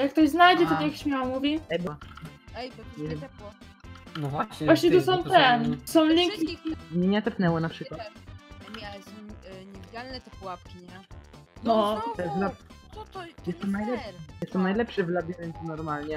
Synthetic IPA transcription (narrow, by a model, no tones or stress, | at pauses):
jak̚ːt̪ɔʑznajd͡ʑɛt̪ɔakɕmʲjawamuvʲiɛba | ɲɛvjɛm | nɔvwaɲɛvwaɕɲɛt̪usɔ̃w̃tt̪ɛsɔ̃w̃lʲɛŋkʲimɲʲeɲat̪ɛpnɛwɔnapʂɘkwat̪ | ɲɛvʲid͡ʑalnɛt̪ɛpuwap̚kʲiɲɛ | nɔɛvlab̪ | jɛst̪ɔnajlɛpʂɛjɛst̪ɔnajlɛpʂɛvlabʲjɛvʲɛnsnɔɾmalɲɛ